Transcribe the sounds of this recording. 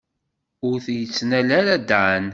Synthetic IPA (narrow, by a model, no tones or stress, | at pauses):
ʊɾθjət͡sːnælæɾæd̪ʕən